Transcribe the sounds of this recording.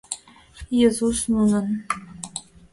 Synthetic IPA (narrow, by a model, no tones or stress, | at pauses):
jezusnunɤ̆n